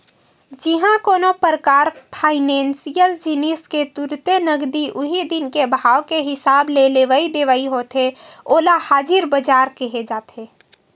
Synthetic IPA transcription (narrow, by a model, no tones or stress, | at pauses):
d͡ʒɪɦãkoːnopɾəkaːɾpʰaːɪnẽːnsijəld͡ʒinisket̪ʊɾt̪enəɡd̪iʔʊɦid̪ɪnkebʱaːwkeɦɪsaːbleleʋaid̪eʋaiɦoːt̪ɦeoːlahaːd͡ʒɪɾbəd͡ʒaːɾkəɦed͡ʒaːt̪eː